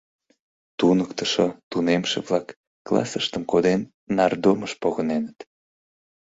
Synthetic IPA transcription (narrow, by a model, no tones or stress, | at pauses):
t̪unəkt̪əʃot̪unemʃḛβlɑkː | lɑ̰səʃt̪əmkod̪enː | ɑrd̪oməʃpoɣənenət̪